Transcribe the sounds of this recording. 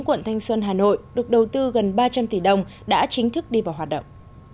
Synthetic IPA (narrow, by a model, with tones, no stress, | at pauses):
ŋkwə̰˧˨nt̪ʰa˧jŋ̟swə˧nɦaː˨˩no̰˧˨jɗɨ˨˩ək̚ɗə˨˩wt̪ɨ˧ɣə˨˩nɓaː˧t͡ɕa˧mt̪i˨˩ɗə˧wŋ͡mɗa̰ː˧˥t͡ɕï˨˦ŋ̟t̪ʰɨ˦˥k̚ɗi˧vaː˨˩wɦwaː˨˩t̚ɗə̰˧˨wŋ͡mʔ